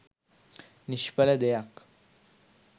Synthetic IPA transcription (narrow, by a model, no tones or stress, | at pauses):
niɕpalad̪ejak